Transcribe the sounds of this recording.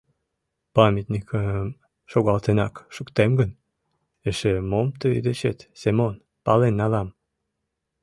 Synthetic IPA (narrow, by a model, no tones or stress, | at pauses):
pɑmʲit̪nʲikʰəm | ʃoɣɑlt̪enɑ̰kʃukt̪emɡən | eʃemomt̪øid̪et͡ɕet̪semon | pɑlenːɑlɑm